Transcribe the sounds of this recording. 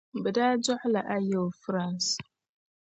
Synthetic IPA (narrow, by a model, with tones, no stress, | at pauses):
bə˨daː˦d͡ʒɔ˦ħʊ˦la˨ʔa˦je˦˨fɾa˦˨ns